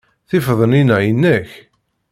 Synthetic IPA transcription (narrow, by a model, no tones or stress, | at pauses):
θɪfðˤəninæjənːəç